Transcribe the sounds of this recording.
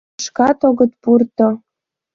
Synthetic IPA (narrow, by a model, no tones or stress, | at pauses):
ʃkɑt̪oɣə̆t̪̚purt̪o